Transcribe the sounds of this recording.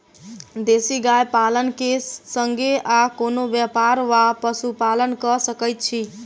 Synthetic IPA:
d̪esiɡajpalənkesːəŋɡeʔakonobjəpaɾʋapəsupalənkəsəkəjt̪̚t͡ʃʰi

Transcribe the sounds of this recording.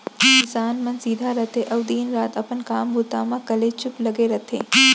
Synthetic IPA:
kɪsaːnmɐnsiːd̪ʱaɾɐt̪ʰeʔɐʋd̪iːnɾaːt̪ɐpənkaːmbʱut̪aːmãkɐlet͡ʃʊplɐɡeɾɐt̪ʰḛː

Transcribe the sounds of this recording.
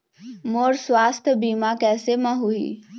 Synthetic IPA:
moːɾswaːst̪ʰjbiːmakɛːsemə̃ɦuḭː

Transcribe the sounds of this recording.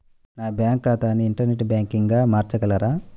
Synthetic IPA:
naːbjaːŋkːaːt̪aːniːɳʈɐɾneʈbjaːŋkiŋɡaːmaːɾt͡ʃɐkɐlaɾaː

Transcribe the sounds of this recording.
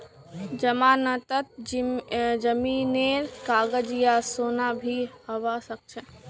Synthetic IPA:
d͡ʒəmaːnət̪ət̪̚ | d͡ʒəmiːneːɾkaːɡəd͡ʒijasoːnabʱihəʋasək̚t͡ʃʰɛ

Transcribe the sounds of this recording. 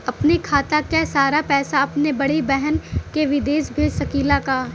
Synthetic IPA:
ɐpnekʰaːt̪akasaːɾapɛːsaɐpnebɐɽebɛɦɛnkeʋɪd̪eːʃbʱeːd͡ʒsɐkiːlakaː

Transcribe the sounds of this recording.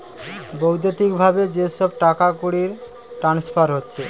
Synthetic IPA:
bowd̪et̪ikbʱabed͡ʑeʃɔb̚ʈakakuɽiɾ | ʈɾanspʰaɾɦotːɕʰe

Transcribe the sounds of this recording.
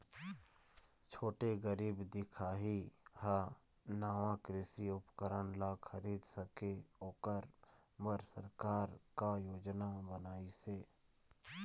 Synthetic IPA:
t͡ʃʰoːʈeɡəɾiːbd̪ɪkʰaːɦiha | naːʋãkɾɪsiʊpkəɾəɳlaːxʰəɾiːd̪səkeoːkəɾ | məɾsəɾkaːɾkajoːd͡ʒnabənaːiseː

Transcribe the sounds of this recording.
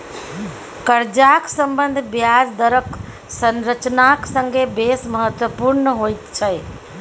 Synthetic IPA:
kəɾd͡ʒaksəmbənd̪ʱbjad͡ʒd̪əɾək | sənɾət͡ʃnaksəŋɡebesməɦət̪wəpuɾnɦojt̪t͡ʃʰəj

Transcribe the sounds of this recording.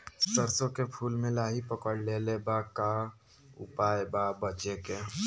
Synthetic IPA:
st̪əɾsõkepʰuːlmẽlaːɦipəkəɽleːlebaka | ʊ̰paːjbabət͡ʃeke

